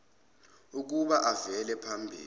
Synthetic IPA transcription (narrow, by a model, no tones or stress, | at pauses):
uk̬uɓaʔavɛlɛpʰambʱḭː